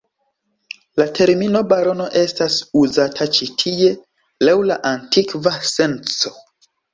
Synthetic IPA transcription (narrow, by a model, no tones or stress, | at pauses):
latʰe̞ɾmino̞baɾo̞no̞ʔe̞stasuzatʰat͡ʃitʰie̞ | lawlaʔantikvase̞nt͡so̞̥